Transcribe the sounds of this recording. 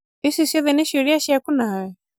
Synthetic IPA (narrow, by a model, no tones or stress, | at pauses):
isisɛðɛniʃuɾiaʃiakunawɛ